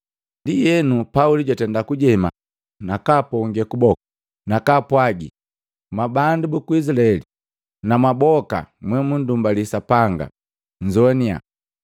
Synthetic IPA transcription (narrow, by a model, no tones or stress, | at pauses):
ndijɛnupauliɟwatɛndakuɟɛma̰ | nakapɔŋɡɛkubɔkḁ | nakapwaɡḭ | mabandubukuizlaɛli | namabɔka̰mwɛmun̩dumbalisapaŋɡa̰ | ɲd͡ʒɔnia̰